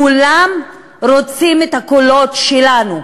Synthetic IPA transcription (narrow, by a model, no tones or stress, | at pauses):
kulam | ɾo̞t͡simet̪hakolo̞tʃelanu